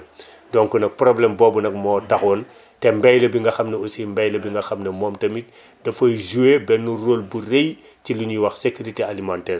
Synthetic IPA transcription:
dɔŋkunɐk̚pɾɔblɛmbɔːbunɐk̚mɔːtɐxɔn | tɛmbɛjlɐbiŋɡɐxɐmnɐusimbɛjlɐbiŋɡɐxɐmnɐmɔːmtɐmit̚ | dɐfɔjzuebɛnːuroːlburej | ciluɲiwɐxsekuɾitealimantɛːr

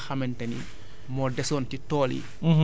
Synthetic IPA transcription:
xamɛntɐnḭ | mɔdɛsɔːntitɔːlḭ

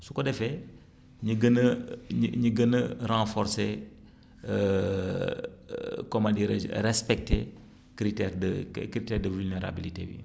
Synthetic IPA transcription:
sukɔdɛfɛ | ɲiɡənəɲɲiɡənəɾãfɔɾse | ə | kɔmadiɾḛd͡ʒɾɛspɛk̚te | kɾitɛɾdəkɾitɛɾdəvulneɾa̰bilitḛːwḭ

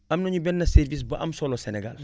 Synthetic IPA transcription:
ɐmnɐɲubɛnːɐseɾvis̬bɐʔɐ̰msɔlɔsɛnɛɡa̰l

